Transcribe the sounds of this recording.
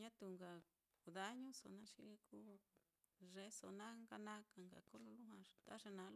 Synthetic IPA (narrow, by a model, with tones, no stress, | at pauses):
ɲã˦t̪u˧ŋɡa˨ | ku˨ða˦ɲũ˦so̰˨nã˦ʃḭ˧ku˦ | ʐe˧˦so˨nã˦ŋɡa˧nã˦ka˨ŋɡa̰˨ko˦lo˧lu˦ɦwã˧t̪a˦ʐe˧nã˨˦lo˦